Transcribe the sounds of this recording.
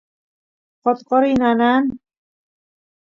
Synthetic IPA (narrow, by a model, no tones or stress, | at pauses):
qɔt̪qɔɾinanan